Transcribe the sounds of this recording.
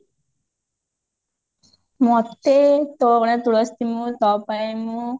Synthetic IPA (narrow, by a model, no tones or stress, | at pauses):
mɔt̪ːet̪oːɡɐɳet̪uɽɐst̪imut̪ɔːpɐjmu